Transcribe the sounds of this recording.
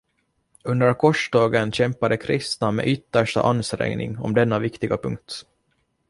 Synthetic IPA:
ɵnd̪əɾkʰɔʂɖ̪ɑːɡənɕɛmpad̪əkʰɾɪst̪namḛːʔʏt̪ːəʂʈa̰ʔanːst̪ɾɛ̰ŋnɪ̰ŋɔ̰md̪ɛnːavɪkt̪ɪɡapʰɵŋk̚t̪

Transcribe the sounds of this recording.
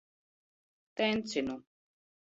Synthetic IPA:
t̪ɛnt͡sinu

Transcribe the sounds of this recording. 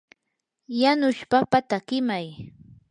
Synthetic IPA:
janʊʃpapat̪aɢɪmaj

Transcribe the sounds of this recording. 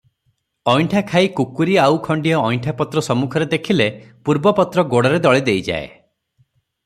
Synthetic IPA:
ɔjɳʈʰakʰaikukuɾiawkʰɔɳɖijɔːjɳʈʰapɔt̪ɾɔsɔmukʰɔɾed̪ekʰilepuɾbɔpɔt̪ɾɔɡoɽɔɾed̪ɔɭid̪ejd͡ʒa̰e

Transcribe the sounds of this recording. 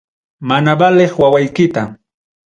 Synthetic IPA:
manabaleχwawajkɪt̪a

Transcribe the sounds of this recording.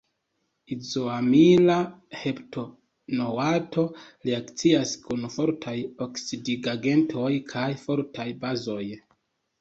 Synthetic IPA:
izoamilahe̞pto̞ | nowato̞liakt͡siaskunfo̞ɾtʰajoksidiɡaɡe̞ntʰo̞jkʰajfo̞ɾtʰajbazo̞j

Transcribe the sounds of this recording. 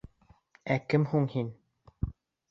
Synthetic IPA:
ækɘmhuɴhin

